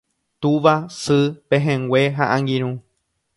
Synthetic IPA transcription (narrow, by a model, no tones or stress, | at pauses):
t̪uʋasɨpẽɦẽŋɡʷeɦaʔãŋɡĩɾ̃ũ